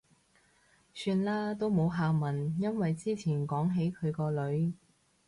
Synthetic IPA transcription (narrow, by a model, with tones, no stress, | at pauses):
syː˧nlaː˥t̪o˥wmo˨˧wɦaː˨˧mɐ˨˩njɐ˥nwɐ˨jt͡siː˥t͡sʰiː˨˩nkɔː˨˥ŋɦe˨˥jkʰɵ˨˧ɥkɔː˧lɵ˨˧ɥ